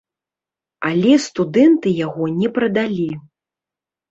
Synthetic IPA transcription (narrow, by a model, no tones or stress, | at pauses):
alʲɛst̪ud̪ɛnt̪ɨjaɣɔnʲɛpɾɐd̪alʲi